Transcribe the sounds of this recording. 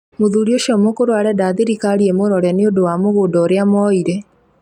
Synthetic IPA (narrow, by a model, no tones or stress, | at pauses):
moðuɾioʃɔmokoɾwaɾɛdaðeɾikaɾiemoɾɔɾɛneodowamoɣodɔːɾeamɔiɾɛ